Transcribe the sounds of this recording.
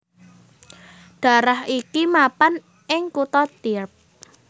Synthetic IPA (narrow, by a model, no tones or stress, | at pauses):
ɖ̥a̤ɾaɦikimapan | ʔɪŋkut̪ɔt̪irp̚